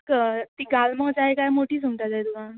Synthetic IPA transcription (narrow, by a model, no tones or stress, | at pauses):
kət̪iːɡalmət͡saɦekajmoʈiːsumʈ̪ad͡zajd̪uɡã